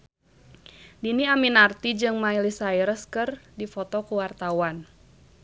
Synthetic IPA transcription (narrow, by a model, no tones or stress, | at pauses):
diniaminart̪id͡ʒɨŋmailisaiɾəskɨrdifɔt̪ɔkuwart̪awan